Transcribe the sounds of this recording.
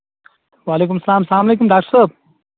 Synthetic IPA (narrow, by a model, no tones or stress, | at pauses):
waːleːkumsɐlaːmsɐlaːmɐleːkumɖaːkʈəɾsəb